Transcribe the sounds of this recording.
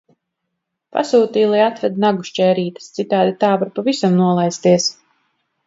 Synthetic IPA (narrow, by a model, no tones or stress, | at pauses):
pa̰suːt̪iːlˠajat̪vɛd̪naɡuʃt͡ʃɛːɾiːt̪ə̥st̪sit̪aːd̪it̪aːvaɾpavisamnuɔlˠajst̪iɛs